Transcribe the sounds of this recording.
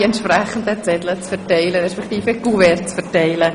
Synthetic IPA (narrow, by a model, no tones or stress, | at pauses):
ɛntʃprɛχən̩dət͡sɛdlət͡sfɛɾtɛɪləɾɛʃpɛktiːfəɡ̥uvɛɾt͡sfɛɾtɛɪlə